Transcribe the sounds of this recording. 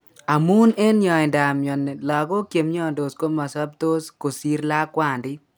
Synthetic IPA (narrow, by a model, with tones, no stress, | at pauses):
a˨mu˦ne˦nɲɔ˨ɪ˨nda˨mjɔ˨nɛ˨lɔ˨ɡo˦kje˨mɲɔ˦ndo˨sko˦ma˨sɔ˦b̚t̪o˦sko˨si˦ɾla˦kwa˦˨ndɪ˦